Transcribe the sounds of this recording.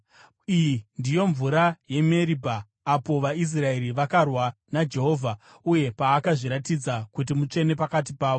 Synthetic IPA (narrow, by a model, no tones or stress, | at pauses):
indijo̞ɱvuɾaje̞me̞ɾibʱaː | po̞ʋais̬rae̞ɾiʋakarwa | nad͡ʒe̞ɦo̞ːvʱa | uje̞paːkaʐiɾatid͡zakut̬imut͡ʂe̞ne̞pakat̬ipaːʋo